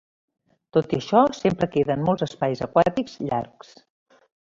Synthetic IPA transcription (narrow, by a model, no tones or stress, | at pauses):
t̪ot̪iəʃɔsempɾəkeðəːnmolˠzəspajzəkwat̪ikz̥ʎa̰rks